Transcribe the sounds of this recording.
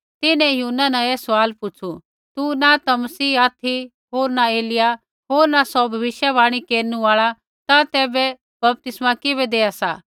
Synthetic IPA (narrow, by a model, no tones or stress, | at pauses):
t̪ɪnɛ̃juːnːanɐ̃esʋaːlpʊt͡ʃʰu | t̪unat̪amɐsiːaːt̪ʰi | ɦoːɾnaeːlɪja | ɦoːɾnasɔbʱɐʋɪʃjabaːɽ̃ikeːɾnũaːɭa | t̪at̪ɛːbɛ | bɐp̚t̪ɪsmakɪbɛd̪eːasaː